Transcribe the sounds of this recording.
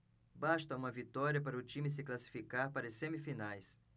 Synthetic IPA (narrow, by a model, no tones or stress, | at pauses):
baʃt̪ɐũmɐvit̪ɔɾiɐpaɾɐʊt͡ʃĩmɪs̬ɪklasi̥fikaɾpaɾɐsẽmifinajs